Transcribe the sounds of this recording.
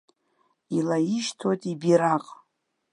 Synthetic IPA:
ilaiʃtʰotʼibiɾaqʼ

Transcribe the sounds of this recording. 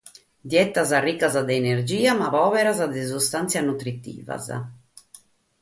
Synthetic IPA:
d̪jɛt̪azarːikːazad̪ɛːneɾd͡ʒiːamaβɔːvɛɾazad̪ɛzust̪ant̪sjanut̪ɾit̪ḭːva̰za̰

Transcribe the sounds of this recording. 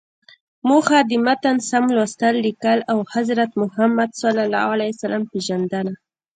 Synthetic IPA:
muxad̪ɪmat̪ansamlwast̪alːikalawhazɾat̪mʊhamːad̪salalɑ̰alajsalampeʒand̪ana

